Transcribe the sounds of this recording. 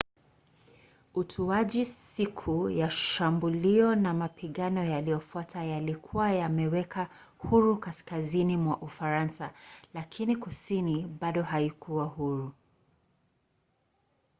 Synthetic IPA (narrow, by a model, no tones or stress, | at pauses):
utʰuaʄisikʰujaʃambuliɔnamapiɠanɔjalijɔfuatʰajalikʰuwajamɛwɛka | huɾukaskazinimwaʔufaɾansalakʰinikusiniɓaɗɔhaikuwahuɾu